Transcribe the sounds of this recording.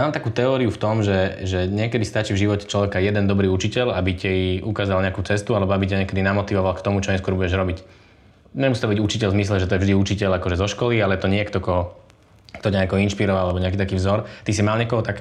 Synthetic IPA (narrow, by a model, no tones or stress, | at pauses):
maːmt̪akuːt̪ɛɔːɾiuft̪ɔmʒɛʒɛɲɪɛkɛd̪ist̪at͡ʃivʒiʋɔcɛ̥t͡ʃlɔʋɛkajɛd̪ɛnd̪ɔbɾiːut͡ʃicɛʎabicɛjiʔukaːzalɲɛakut͡sɛst̪ualɛbɔabicɛɲɛkɛd̪inamɔt̪iʋɔʋalkt̪ɔmut͡ʃɔɲɛskwɔɾbuɟɛʒɾɔbic | ɲɛmusit̪ɔbiɟut͡ʃicɛʎzmis̬lɛʒɛt̪ɔjɛvʒd̪iut͡ʃicɛʎakɔʒɛzɔʃkɔlialɛt̪ɔɲɪɛkt̪ɔkɔ | kt̪ɔcaɲɛkɔɔinʃpiɾɔʋaalɛbɔɲɛak̬iːt̪akiːvzɔɾt̪isimaːlɲɪɛkɔɦɔt̪ak